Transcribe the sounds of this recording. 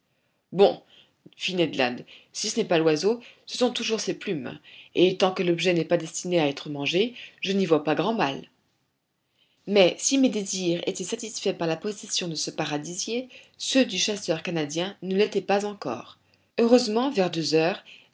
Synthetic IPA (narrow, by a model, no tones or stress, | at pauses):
bɔ̰̃ | finɛd̪lã̰d̪sisənɛpalwazosə̥sɔ̃t̪uʒuʁseplymet̪ɑ̃kəlɔbʒɛnɛpad̪ɛst̪ineaɛt̪χəmɑ̃ʒeʒənivwapaɡʁɑ̃mal | mɛsimed̪eziʁḛt̪ɛsat̪isfɛpaʁlapɔsɛsjɔ̃d̪əsəpaʁad̪izje | sød̪yʃasœʁkanad̪jɛ̃nəlɛt̪ɛpazɑ̃kɔ̰ːʁ | øʁøzmɑ̃vɛʁd̪øzœːʁ